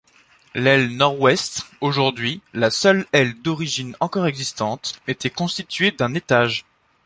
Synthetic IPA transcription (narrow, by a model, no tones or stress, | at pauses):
lɛlnɔʁwɛst̪oʒuʁd̪ɥilasœlɛld̪ɔʁiʒinɑ̃kɔʁɛɡzist̪ɑ̃t̪et̪ɛkɔ̃st̪it̪ɥed̪ɛ̃net̪aʒ